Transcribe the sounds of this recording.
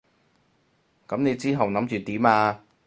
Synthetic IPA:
kɐ˨˥mne˨˧jt͡siː˥ɦɐ˨wnɐ˨˥mt͡ʃyː˨t̪iː˨˥maː˧

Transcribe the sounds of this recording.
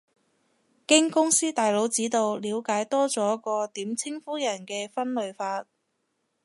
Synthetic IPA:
kɪ˥ŋkʊ˥ŋsiː˥t̪aː˨jlo˨˧˥wt͡siː˨˥t̪o˨˧wliː˨˧wkaː˨˥jt̪ɔː˥t͡sɔː˨˥kɔː˧t̪iː˨˥mt͡sʰɪ˥ŋfuː˥jɐ˨˩nkɛː˧fɐ˥nlɵ˨˧ɥfaː˧t̚

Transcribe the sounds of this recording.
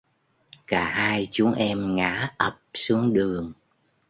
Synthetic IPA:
kaː˧˩haː˧jt͡ɕu˨˦əŋʔɛ˧mŋa̰ː˧˥ʔə˨˩p̚su˨˦əŋɗɨ˨˩əŋ

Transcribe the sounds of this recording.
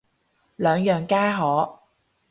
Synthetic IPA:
lœː˨˧ŋjœː˨˩ŋkaː˥jɦɔː˨˥

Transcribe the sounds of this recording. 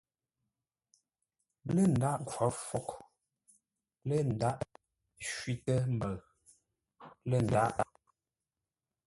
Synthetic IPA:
blə˦˨n̩˨da˦ʔŋ˨kʰwɔ˨˦fo˦k | lə˦˨n̩˨da˦ʔ | ʃwi˦tə˦m̩˨bə˨ | lə˦˨n̩˨da˦ʔ

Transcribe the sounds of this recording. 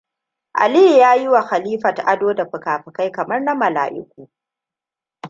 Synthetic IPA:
ʔa̰˨li˦˨jaː˦ji˦wa˨xa˨liː˦ɸɐ˨tʔa˦doː˦da˨ɸʊ˨kaː˨ɸɪ˨ka˦jkɐ˨mɐ˦rna˦mɐ˨la̰ː˨ʔɪ̰˦kʷuː˨

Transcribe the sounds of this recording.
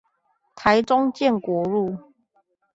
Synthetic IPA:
t̪ʰa˨˦jt͡sʊ˦ŋt͡ɕjɛ˥˨nkwɔ˨˦ɻu˥˨

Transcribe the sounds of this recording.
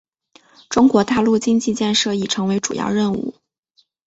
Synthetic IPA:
ʈ͡ʂʊ˥ŋkwɔ˧˥t̪a˥˧lu˥˩t͡ɕi˥ŋt͡ɕi˥˧t͡ɕjɛ˥˧nʂɤ˥˩i˨˩ʈ͡ʂʰɤ˧˥ŋwe˧˥ɪʈ͡ʂu˨˩jɑ̰˥˧ʊɻə˥˧nṵ˥˩

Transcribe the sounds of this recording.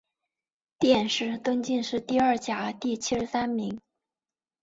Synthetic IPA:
t̪jɛ˥˧nʂɻ̩˥˩t̪ə˥ŋt͡ɕi˥˧nʂɻ̩˥˧t̪i˥˧ɐ˞˥˩t͡ɕja˨˩t̪i˥˩t͡ɕʰi˥ʂɻ̩˧˥sa˥nmi˧˥ŋ

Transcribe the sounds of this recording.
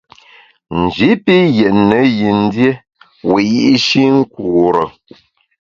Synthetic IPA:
n̩˨d͡ʒi˨˦pi˦jɛ˨ʔnːə˨˦ji˨n̩˦dje˦ | we˨ji˦ʔi˦ʃi˦ŋ̩˦ku˨ɾə˨

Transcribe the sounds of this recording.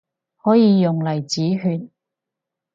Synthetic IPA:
hɔː˨˥jiː˨˧jʊ˨ŋlɐ˨˩jt͡siː˨˥ɦyː˧n̚

